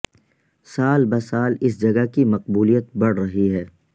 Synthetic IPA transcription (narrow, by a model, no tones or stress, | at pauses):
saːlbɐsaːlɪsd͡ʒɐɡakimɐqbuːlijət̪̚bɐɽ̤ɾɐɦiɦɛː